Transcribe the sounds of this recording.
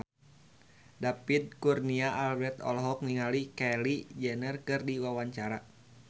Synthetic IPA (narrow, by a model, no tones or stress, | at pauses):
dapid̪̚kurniaʔalbɛrt̪ɔ̰lɦɔk̚ŋiŋalikɛlid͡ʒɛnərkɨrdiwawaɲt͡ʃaɾa